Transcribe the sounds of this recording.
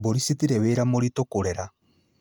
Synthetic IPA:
boɾisitiɾɛweːɾamoɾitokoɾɛɾa

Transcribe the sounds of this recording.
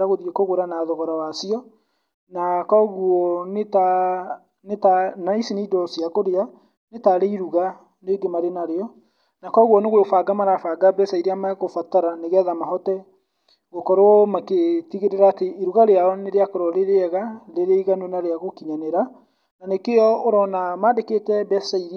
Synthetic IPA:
ɾaɣoðiekoɣoɾanaðɔɣɔɾawasiɔ | nakɔɣuɔneta | netanaisineidɔsiakoɾea | netaɾeiɾuɣa | neɡemaɾenaɾeɔ | nakɔɣuɔneɣwefaɡamaɾafaɡabɛsaiɾiamakofataɾaneɣɛðamaɦɔtɛ | ɣokɔɾwɔmaketiɣeɾeɾaːteiɾuɣaɾeaɔneɾeakoɾɔɾeɾeɛɣaleɾeiɣanonaɾeaɣokiɲanɛɾa | nanekeɔoɾɔnamadekeːtɛbɛsaiɾi

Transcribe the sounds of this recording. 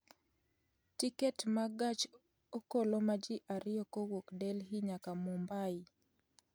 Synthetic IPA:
tikɛtmaɡat͡ʃ | okolomad͡ʒɪʔaɾɪɔkowokdɛlɦiɲakamɔmbaɪ

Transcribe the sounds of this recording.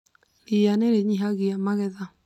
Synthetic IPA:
nianeɾeɲiɦaɣiamaɣɛða

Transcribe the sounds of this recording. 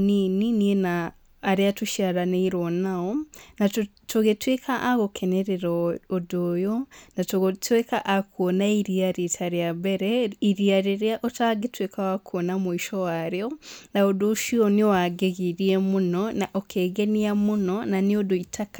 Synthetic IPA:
nininienaː | ɾiatuʃaɾaneiɾonaonat | toɣetwekʰaʔaɣokʰeneɾeɾoodojonatotwekaʔakuonaiɾiaɾitʰaɾjabeɾeiɾiaɾiɾjaʔotaɡetwekʰawakʰonamuiʃowaɾionaodoʃioniowaɡeɣiɾiemunonaʔokʰeːɡeniamunonaniodoitʰakḁ

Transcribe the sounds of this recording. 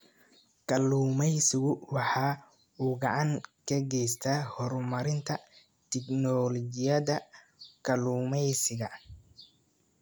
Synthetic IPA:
kʰɐluːmɛjsɪɣʊwɑħɑː | uːɡɑʕɑŋkʰɐɡɛjst̪ʰaːhɔɾmɐɾɪnt̪ʰɐ | t̪ʰɪɡnɔlɔt͡ʃɪjɐðɐ | kʰɐluːmɛjsɪɣɐ

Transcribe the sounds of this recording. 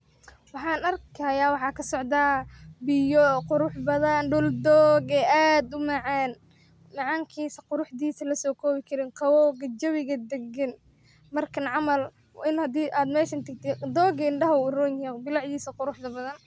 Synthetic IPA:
wɑħɑːnɐrkʰɐjaːwɑħɑːkʰɐsɔʕd̪aːbɪjɔqʊɾʊħbɐðɐnɖʊld̪ɔːɡɛːaːd̪ʊmɑʕɑːn | mɑʕɑːŋkʰiːsɐqʊɾʊħd̪iːsɐlɐsɔːkʰɔːβɪkʰɐɾɪːnqʰɑwɔːɡɐt͡ʃɐβɪɣɐd̪ɐɡɐn | mɐrkʰɐnʕɑmɐl | ɪnhɐd̪iːʔaːd̪mɛːʃɐnt̪ʰɐɡt̪ʰɛd̪ɔːɡɐɪɳɖɐɦɐʊrɔːnɛbɪlɑʕjiːsɐqʊɾʊħd̪ɐbɐðɐn

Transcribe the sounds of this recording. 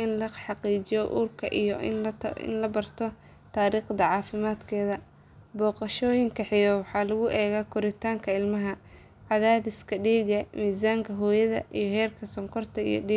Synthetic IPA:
ɪnlɐħɑqiːt͡ʃɪjɔʔṵːrkʰɐʔḭjɔɪ̰nlɐbɐrt̪ʰɔ | t̪ʰaːɾiːχd̪ɐʕɑːfɪmaːd̪kʰɛːðɐ | bɔːqɑʃɔːjɪŋkʰɐħɪjɐwɑħɑːlɐɣʊʔɛːɣaːkʰʊɾɪt̪ʰaːŋkʰɐɪlmɐɦɐ | ʕɑðaːðɪskʰɐɖiːɣɐmiːzaːŋkʰɐɦɔːjɐðɐ̰ʔijɞɦɛːrkʰɐsɔŋkʰɔrt̪ʰɐḭjɞ̰ɖiː

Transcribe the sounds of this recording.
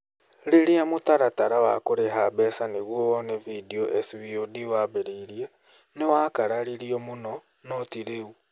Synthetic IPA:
ɾeɾeamotaɾataɾawa̰koɾeɦaβɛsaneɣwɔɔnevidioʔeswiodiwaβeɾeɾia | newakaɾaɾiɾiɔmonɔ | nɔtiɾeu

